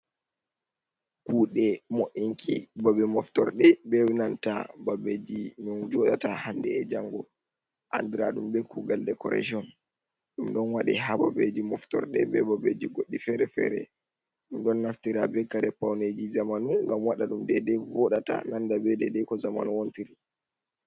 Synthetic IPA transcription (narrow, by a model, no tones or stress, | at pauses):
kuːɗɛmoʔiŋkʰibabɛmɔftɔɾɗɛbɛwinanta̰babed͡ʒinɔnd͡ʒɔɗatahandɛːd͡ʒaŋɡɔ | ʔa̰ndiɾa̰ɗumbɛkʰuɡaldɛkɔɾɛ̰d͡ʒiɔn | ɗumɗɔnwaɗḭɦababed͡ʒimɔftɔ̰ɾɗɛbɛbɔbed͡ʒiɡoɗːifɛɾɛfɛ̰ɾɛ̰ | ɗumɗɔnːaftiɾabɛkaɾɛpawned͡ʒizamanuŋɡamwaɗaɗumdɛdɛvɔɗata̰nandabɛdɛdɛkɔzama̰nuwontiɾi